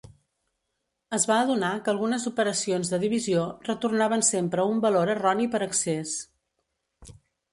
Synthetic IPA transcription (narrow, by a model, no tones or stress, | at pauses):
əzβaəðunakəːlˠɣunəzupəɾəsionzðəðiβ̞iziorət̪urnaβ̞ənsempɾəumbəloɾərɔnipəɾəkses